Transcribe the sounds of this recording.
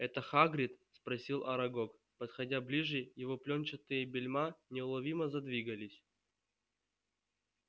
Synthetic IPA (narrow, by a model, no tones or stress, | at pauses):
ɛt̪əxaɡɾʲɪt̪spɾɐsʲilˠɐɾɐɡok | pət̪xɐdʲablʲiʐɨjɪvoplʲont͡ɕɪt̪ɨjəbʲɪlʲmanʲɪʊlˠɐvʲiməzɐd̪vʲiɡəlʲɪsʲ